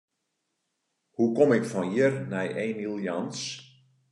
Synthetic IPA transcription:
hukomɪkfɔnjɪrnɛjʔeːnilˠjɑns

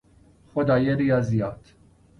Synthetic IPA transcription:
xɔd̪ɐjɛɾiɐzjɐːt̪

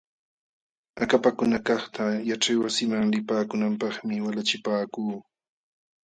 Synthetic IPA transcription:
akapakʊnakɑχt̪ajaʈ͡ʂajwasɪmaŋlɪpaːkʊnampɑχmɪwalat͡ʃɪpaːkuː

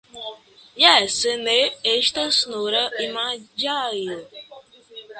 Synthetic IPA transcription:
jɛsəneeʃt̪əsnoɾəimãd͡ʒajə

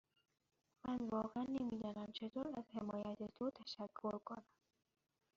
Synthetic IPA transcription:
mænvɒːɣeænːemiːd̪ɒːnæmt͡ʃʰe̞t̪ʰoːɾæzhe̞mɒːjæt̪ʰet̪ʰot̪ʰæʃækʰːoɾkʰonæm

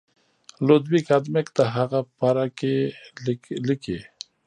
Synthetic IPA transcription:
lod̪wikad̪mekt̪aɦaɣapaɾake | like

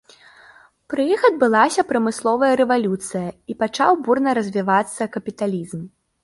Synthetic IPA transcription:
pɾɨjixɐd̪̚bɨlˠasʲɐpɾɐmɨslˠɔvɐjɐɾɛvalʲut̪sɨjɐipat͡ʂa̰wburnɐɾɐzʲvʲivat̪sːɐkɐpʲit̪alʲizm

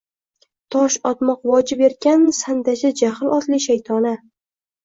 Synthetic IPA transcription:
t̪ʰɒʃɒt̪mɒqvɒd͡ʒɪbe̞ɾɡʲansand̪aʃʲad͡ʒahlɒt̪lɪʃajt̪ʰɒna

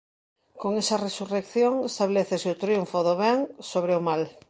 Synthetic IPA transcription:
koŋesaresurekθjoŋest̪aβleθeseot̪ɾjuɱfoðoβ̞eŋsoβ̞ɾeomal

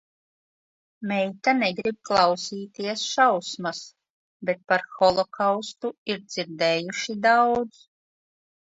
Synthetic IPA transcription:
mɛjt̪anɛɡɾib̚klˠɑwsiːt̪iɛsʃawsmas | bet̪̚paɾxɔlˠɔkawst̪uiɾd̪z̥iɾd̪ɛːjuʃid̪awd̪z

